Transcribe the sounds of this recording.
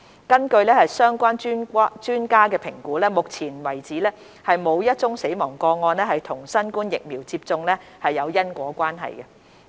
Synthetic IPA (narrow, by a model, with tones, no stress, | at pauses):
kɐ˥nkɵ˧ɥlɛː˥hɐ˨jsœː˥ŋkʷaː˥nt͡ʃːt͡ʃyː˥nkaː˥kɛː˧pʰɪ˨˩ŋkuː˨˥lɛː˥mʊ˨k̚t͡sʰiː˨˩nwɐ˨˩jt͡siː˨˥lɛː˥ | hɐ˨jmo˨˧wjɐ˥t̚t͡sʊ˥ŋse˨˥jmɔː˨˩ŋkɔː˧ŋɔː˧nlɛː˥hɐ˨jt̪ʰʊ˨˩ŋsɐ˥nkuː˥njɪ˨k̚miː˨˩wt͡siː˧p̚t͡sʊ˧ŋlɛː˥hɐ˨jːɐ˨˧wjɐ˥nkʷɔː˨˥kʷaː˥nɦɐ̰˨jɡɛ˧